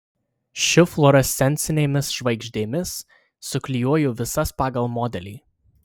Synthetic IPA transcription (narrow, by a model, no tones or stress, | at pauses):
ʃʲɪflˠɔɾɛsʲɛnʲt̪sʲɪnʲɛɪmʲɪsʃʋɐɪɡʒʲd̪ʲeːmʲɪsː | ʊkʲlʲɪjuɔjuːʋʲɪsɐspɑːɡɐlˠmɔːd̪ʲɛlʲḭː